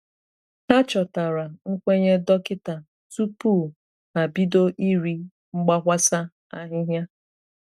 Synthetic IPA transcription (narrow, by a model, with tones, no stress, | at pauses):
ha˦t͡ʃɔ˨ta˨ɾa˨ŋ̩˦kʷe˦ɲe˦dɔ˦kɪ˦ta˨ | tu˦pu˦˨ | na˨bi˦do˦ʔi˦ɾi˦ | ŋ͡m̩˦ɡ͡ba˦ɦʷa˦sa˦ | a˦ɦɪ˦ɦja˦